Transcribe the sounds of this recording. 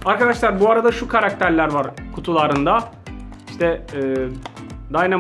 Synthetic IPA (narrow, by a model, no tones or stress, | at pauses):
aɾkad̪aʃlˠaɾbuaɾad̪aʃukʰaɾak̚t̪ʰæɾlʲæɾvaɾkʰut̪ʰulˠaɾɯnd̪a | iʃt̪ʰɛː | d̪ajna